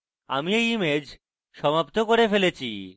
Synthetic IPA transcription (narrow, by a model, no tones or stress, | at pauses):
a̰miejimed͡ʑ | ʃɔmapt̪okoɾefelet͡ɕʰḭ